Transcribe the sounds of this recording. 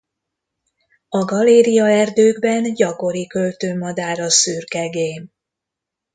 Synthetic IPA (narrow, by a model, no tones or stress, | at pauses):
ɒɡɒleːɾijɒɛrd̪øːɡbɛnɟɒko̞ɾikølt̪øːmɒd̪aːɾɒsyrkɛɡeːm